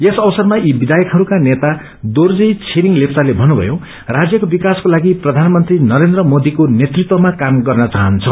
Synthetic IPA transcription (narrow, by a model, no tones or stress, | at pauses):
esʌbʌsʌrmaibid̪ajʌkɦʌɾukanet̪a | d̪ord͡zijt͡sʰeɾiŋɡlepʰtalebʱʌnːubʱʌ̰jo | rad͡zjʌkobikaskolaɡiprʌd̪ʱanmʌnt̪rinʌɾend̪rʌmod̪ikonet̪rit̪wʌmakamɡʌrnʌt͡saɦʌnt͡sʰʌ